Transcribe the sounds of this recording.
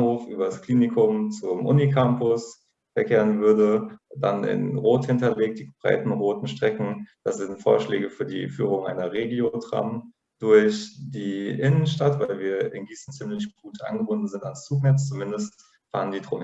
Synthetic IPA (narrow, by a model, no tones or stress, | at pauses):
hoːfʔyːbɐdaskl̥iːnɪkʰʊmt͡sʊmʔʊ̰nikʰampʊs | fɛɐkʰeːʁənvʏɐdəd̥anɪ̰nʁoːthɪntɐleːk̚t̚d̥iːb̥ʁa̰ɪtn̩ʁoːtn̩ʃtʁ̥ɛkŋ̩d̥asz̥ɪntfo̰ːɐʃlɛ̰ːɡəfyːɐdḭːfyːʁ̞ʊŋʔa̰ɪnɐʁeːɡiotʁ̥a̰m | d̥ʊɐçd̥iːʔɪnənʃtatv̥aɪlviːɐɪ̰nɡiːsn̩t͡simlɪçɡ̥uːtʰʔa̰ɪnɡəbʊndn̩zɪntanst͡suːknɛt͡st͡sumɪndəst | fa̰ːʁəndiːdʁon